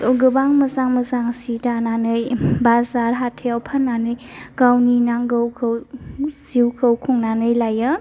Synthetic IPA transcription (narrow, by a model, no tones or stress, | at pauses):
ɡɯbaŋmɐzaŋmɐzaŋsitananɯjbazaɾɦatʰeawpʰanːanɯjɡ̥awninaŋɡɯwkʰɯwziwkʰəwkʰuŋnanɯjlajɯ